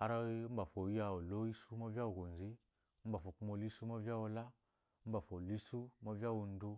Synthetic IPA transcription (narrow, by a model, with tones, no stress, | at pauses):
a˧ɾa˦m̩˦ba˨fo˨˦a˧o˨lo˦i˦su˦ma˦vʲa˦wo˨ɡo˨n˨zi˦ | m̩˦ba˨fo˨ku˦mo˧li˦su˦ma˦vi˦a˦wo˧la˦ | m̩˦ba˨fo˨li˦su˦ma˦vʲa˦wo˧n˦du˧